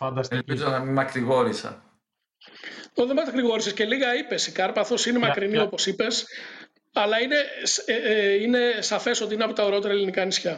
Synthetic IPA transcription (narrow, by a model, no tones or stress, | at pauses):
fɐnd̪ɐst̪lpizonɐmimɐkɾiɣo̞ɾisɐ̰ | oðemɐt̪kɾiɣo̞ɾisesce̞liɣɐipe̞sikɐɾpɐθo̞sinemɐkɾinio̞po̞sipe̞s | ɐlɐine̞sine̞sɐfe̞so̞t̪iineɐpo̞t̪ɐoɾeo̞t̪e̞ɾɐelinikɐːnisçɐ